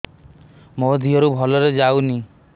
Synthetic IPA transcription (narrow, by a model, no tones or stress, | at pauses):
mɔd̪ʱiɔɾubʱɔlɔɾed͡ʒawni